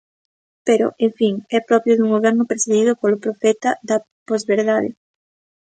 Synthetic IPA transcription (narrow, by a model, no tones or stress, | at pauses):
peɾo̰ʔeɱfiŋɛpɾɔpjoðuŋɡoβɛɾnʊpeɾseðiðʊpolʊpɾofɛt̪aðɐ | pɔzβeɾðaðɪ̰